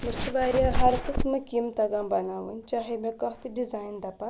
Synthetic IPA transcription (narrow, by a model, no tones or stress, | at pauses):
miɾt͡ʃʰibaːɾijaɦɐɾkɨsmɨkimt̪ɐɡãːbɐnaːʋɨnʲt͡ʃaːɦemẽkɐɦt̪iɖizaːjnd̪ɐpã